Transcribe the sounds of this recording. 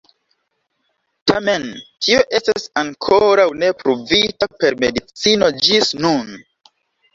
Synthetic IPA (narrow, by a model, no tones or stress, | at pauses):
tʰame̞ntʰioʔe̞stasaŋkʰoɾawne̞pɾuvitape̞ɾmedit͡sino̞d͡ʒisnun